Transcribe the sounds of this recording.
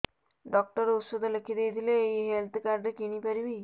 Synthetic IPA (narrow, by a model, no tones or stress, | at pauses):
ɖɔk̚ʈɔɾut̪sod̪ʱɔlekʰid̪ejt̪ʰileːiɦelt̪ʰkaɾɖekiɽ̃ipaɾibi